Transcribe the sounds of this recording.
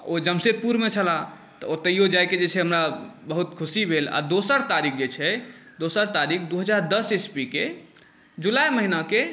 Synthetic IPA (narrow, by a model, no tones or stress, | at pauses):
od͡ʒəmset̪̚puɾmet͡ʃʰəla | t̪ɔot̪əjod͡ʒajked͡ʒet͡ʃʰɛɦəmɾabəɦut̪kʰusibʱela̰d̪osəɾt̪aɾik̚ʰd͡ʒet͡ʃʰɛ | d̪osəɾt̪aɾik̚ʰd̪uɦəd͡ʒaɾd̪əsespike | d͡ʒulajməɦinake